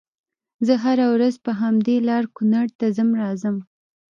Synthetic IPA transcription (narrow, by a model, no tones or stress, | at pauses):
zəɦaɾawɾazpəɦamd̪elɑɾkʊnaɽt̪azəmɾɑzəm